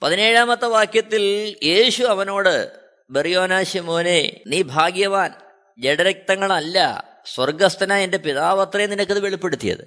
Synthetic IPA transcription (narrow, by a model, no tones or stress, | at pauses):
pɐðine̞ːɻaːmɐt̪ːɐʋaːkjɐt̪ːilje̞ːɕuɐʋɐno̞ːɽɨ | berijo̞ːnaːɕimo̞ːneniːbʱaːɡjɐʋaːn | d͡ʑeɽɐɾɐk̚t̪ɐŋːɐɭɐlːɐ̰ | swɐrɡɐst̪ɐnaːende̞piðaːʋɐt̪rɐjninɐkːɨðɨʋe̞ɭipːe̞ɽut̪ːijɐ̰ðɨ̰